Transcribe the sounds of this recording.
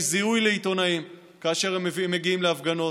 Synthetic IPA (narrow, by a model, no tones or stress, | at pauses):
ziujle̞it̪o̞naim | kaːʃe̞ʁeme̞ɡiimleafɡano̞